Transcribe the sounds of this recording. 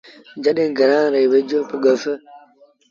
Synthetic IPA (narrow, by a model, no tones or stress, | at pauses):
d͡ʒaɗenɡəɾãɾewed͡ʒopuɡəfə